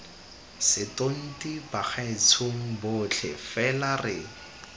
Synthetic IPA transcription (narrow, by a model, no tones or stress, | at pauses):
sɪton̩tibaχaɪt͡sʰoŋ̩bʊt͡ɬʰɛ̰fɛlarɪ